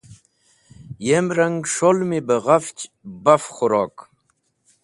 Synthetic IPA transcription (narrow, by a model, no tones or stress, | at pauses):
jemɾɐŋɡʂolmibəʁaft͡ɕ | bɐfχʊɾoːk